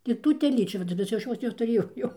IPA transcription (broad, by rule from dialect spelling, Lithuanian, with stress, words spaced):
ɪr ˈtuː tʲɛˈlʲiːt͡ʃʲuː ʋɐˈdʲɪnɐsʲɪ jɛʊ ˈɐʃ ˈjoːs nʲɛtʊˈrʲeːjɛʊ jɛʊ